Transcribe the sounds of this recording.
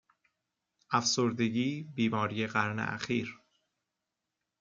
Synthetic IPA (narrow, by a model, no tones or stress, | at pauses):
ʔæfsoɾd̪e̞ɟiːbiːmɒːɾiːje̞ɣæɾnḛʔæ̰xiːɾ